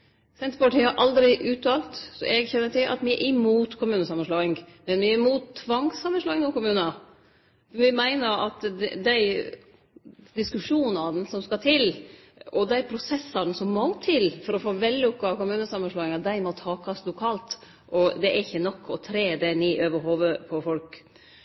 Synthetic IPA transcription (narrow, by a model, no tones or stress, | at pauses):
sɛnt̪pɔʈʰɪhɑɾʔɑld̪ɾɪʔʉːt̪ʰɑːlt̪sɔ̰ʔɛɡçɛnːəʈʰɪlʔɑ̰t̪ʋɪɛɾʔɪmuːt̪kʰʊmʉːnəsɑmːɑn̩ʂloːɪŋmɛnʋɪæɾmuːt̪ʰːʋɑŋsːɑmːənsloːɪŋnuːkʊmʉːnɑ | fʋɪmæɪnəɾɑt̪ɛd̪æɪ | d̪ɪskʉʂuːnɑnn̩sɔmskɑt̪ʰɪl | ɔd̪æɪpʰɾʊsɛsːɑɾd̪n̩sɔmːoːt̪ʰːɪlfɔɾɔfoːʋɛlːɔpkɑkʊmʉːnəsɑmːɑnʂlɑːɪŋɑd̪æɪmɔt̪ʰɑːkʰɑslʊkʰɑːlt̪ | ʔɔd̪ɛʔæɾɪçːənɔkʰːɔt̪ʰɾeːd̪ɛniːʔøːʋəɾɦoːʋəpʰɔfɔlk